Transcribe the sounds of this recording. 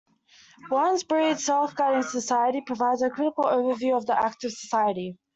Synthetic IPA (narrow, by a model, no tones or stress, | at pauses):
wʌ̃nzbɹiːd̥sɛlˠfɡ̥aɾɪ̃ŋsəsaɪəɾipʰɹ̥əvaɪdzəkʰɹ̥ɪɾɪkəlˠəʊvəvjʉːəvðiʔak̚tɪv̥səsaɪəɾi